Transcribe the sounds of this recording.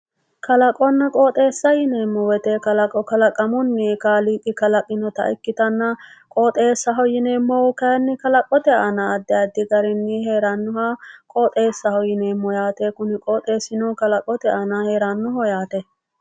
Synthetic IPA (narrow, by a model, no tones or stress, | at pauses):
kɐlɐkʼɔnːɐkʼoːt̪ʼeːsːɐjɪneːmːɔwɛt̪ɛkɐlɐkʼːɔkɐlɐkʼɐmʊnːɪkaːliːkʼːɪkɐlɐkʼɪnɔt̪ɐ̰ʔɪ̰kːɪt̪ɐnːɐkʼoːt̪ʼe̞ːsːɐɦɔjɪneːmːɔwkɐjnːɪkɐlɐkʼɔt̪ɛanɐːd̪ːɛɐd̪ɪɡɐɾɪnːɪheːɾɐnːʊhɐkʼoːt̪ʼe̞ːsːɐhɔjɪneːmːɔjaːt̪ekʊnɪkʼoːt̪ʼe̞ːsɪnɔkɐlɐkʼɔt̪ɛʔanɐhe̞ːɾɐnːʊɦɔjaːt̪ɛ